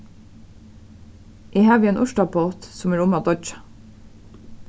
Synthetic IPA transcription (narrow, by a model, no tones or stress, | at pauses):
ʔiːhɑːʋiːeːnʔʊʃʈɑboːt̪sʊmæːɹʊmɑːd̪ɔd͡ʒɑ̥